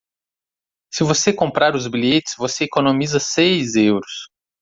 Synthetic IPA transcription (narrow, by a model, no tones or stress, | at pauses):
sɪvosekõmpɾaɾʊzbiʎet͡ʃɪ̥svoseekonõmizɐsejzewɾʊs